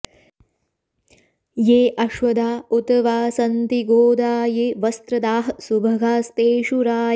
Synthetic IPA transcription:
jeːʔɐʃʋɐd̪aːut̪ɐʋaːsɐnt̪iɡoːd̪aːjeːʋɐst̪ɾɐd̪aːɦsubʱɐɡaːst̪eːʃuɾaː

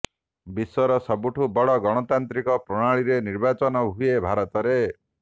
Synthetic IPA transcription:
biswɔɾɔsɔbuʈʰubɔɽɔɡɔɽ̃ɔt̪ant̪ɾikɔpɾɔɽ̃aɭiɾeniɾbat͡ʃɔnɔɦuebʱaɾɔt̪ɔɾe

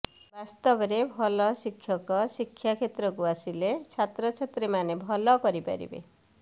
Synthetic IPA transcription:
bast̪ɔbɔɾebʱɔlɔsikʰːjɔkɔsikʰːjakʰet̪ɾɔkuasilet͡ʃʰat̪ɾɔt͡ʃʰet̪ɾemanebʱɔlɔkɔɾipa̰ɾḭbḛ

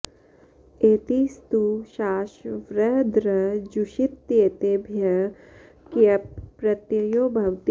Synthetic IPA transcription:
eːt̪ist̪uʃaːʃʋɾɐɦd̪ɾɐd͡ʒuʃit̪jeːt̪eːbʱjɐ | kiɐpːɾɐt̪jɐjoːbʱɐwt̪

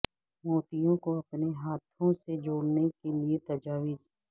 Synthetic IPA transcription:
mɔːt̪ijõkoɐpneɦaːt̪ʰõsed͡ʒoːɽnekeliet̪ɐd͡ʒaːʋiz

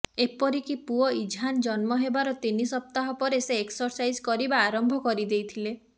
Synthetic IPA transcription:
epɔɾikipuɔid͡ʒʱɦand͡ʒɔnmɔɦebaɾɔt̪inisɔp̚t̪aɦɔpɔɾeseːksɔɾsajd͡ʒkɔɾibaːɾɔmbʱɔkɔɾid̪ejt̪ʰile

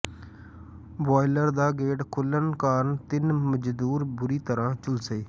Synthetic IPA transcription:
boːɪləɾd̪aːɡeːʈkʰʊlənkaːɾnt̪ɪnməd͡ʒd̪uːɾbʊɾiːt̪əɾãːt͡ʃʊlseiː

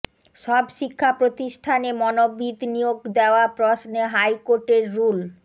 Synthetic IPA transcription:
ʃɔbʃikʰːapɾot̪iʃʈʰanemɔnobːid̪nijoɡd̪eoapɾɔsneɦajkoɾʈeɾːul

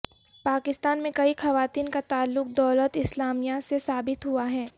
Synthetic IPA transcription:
paːkɪst̪aːnmẽkɐixɐʋaːt̪iːnkat̪aːlːʊk̚d̪ɔːlət̪ɪslaːmijasesaːbɪt̪ɦuaɦɛː

